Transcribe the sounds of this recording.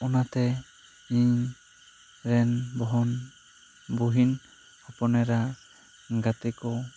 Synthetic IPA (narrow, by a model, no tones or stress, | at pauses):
ɔnat̪ɛ | iɲ | ɾɛnbɔɦɔn | buɦin | apɔnɛɾa | ɡat̪ɛkɔ